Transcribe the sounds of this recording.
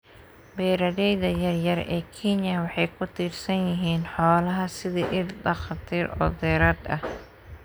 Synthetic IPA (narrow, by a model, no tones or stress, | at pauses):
bɛːɾɐðɛjðɐjɐrjɐɾɛːkʰinjɐwɑħɑjkʰʊt̪ʰiːrsɐnjɪɦiːnħɔːlɐɦɐsɪðiːʔɪdɐxɑt̪ʰiːɾɔ̰ːd̪ɛːɾaːd̪ɐ̰h